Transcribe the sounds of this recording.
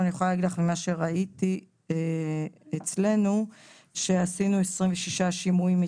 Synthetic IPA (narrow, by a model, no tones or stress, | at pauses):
anijeoalaːɡid̪laχmimaʃe̞ʁaiti | et͡sle̞nu | ʃe̞asinuesʁimveʃiʃaʃimuimi